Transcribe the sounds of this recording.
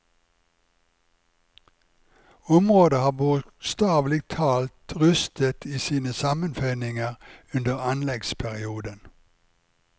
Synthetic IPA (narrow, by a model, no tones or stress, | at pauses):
ʊmʁoːd̪əhɑːbʊst̪ɑːʋlɪɡ̚t̪ʰɑːlt̪ʁʉst̪ʰət̪ʰiːsiːnəsɑmənfœʏnɪŋəʁʉnd̪əʁɑnlɛɡspʰæʁɪuːd̪ən